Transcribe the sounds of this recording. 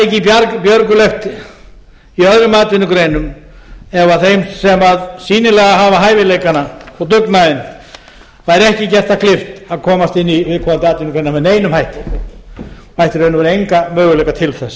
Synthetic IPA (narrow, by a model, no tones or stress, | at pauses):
ɛcɪpjaɾkpjœɾkʏlɛft̪ | iœðɾʏmaːt̪ɪnːʏkɾejnʏm | ɛvaθejmsːɛmaðsiːnɪlɛɣaɦavaɦaːjvɪlejkanaɔɣt̪ʏknaðɪn | vajɾɛhcɪcɛr̥t̪akʰlɪft̪aðkʰɔːmast̪ɪnːivɪðkʰaːant̪ɪaːt̪ɪnʏkɾejnamɛðneːjnʏmhajht̪ɪɔ | hajht̪ɪɾejnʏvaɾejŋkamœːɣʏlɛjkat̪ʰɪlθɛs